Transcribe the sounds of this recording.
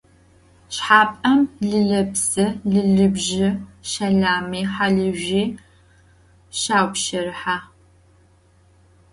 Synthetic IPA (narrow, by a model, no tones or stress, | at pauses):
ɕħaːpʼɐmɮɨɮɐbsɐɮɨɮɨbʒɪʃɐɮaːmiːħaɮɨʒiː | ɕaːwʷʃɐɾɨħaː